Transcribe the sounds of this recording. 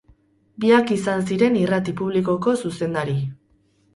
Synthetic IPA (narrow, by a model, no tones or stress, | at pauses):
biakisans̬iɾe̞nirat̪ipuβ̞liko̞ko̞suse̞nd̪aɾi